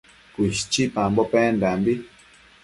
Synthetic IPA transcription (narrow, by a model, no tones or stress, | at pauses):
kʷiʃt͡ʃipambopɛndambi